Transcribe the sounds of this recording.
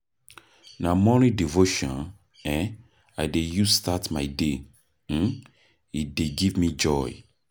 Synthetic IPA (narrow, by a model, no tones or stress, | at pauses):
namɔnidivoʃɔ̃n | ɛ̃ | ajdejustatmaɪde | ideɡivmid͡ʒɔj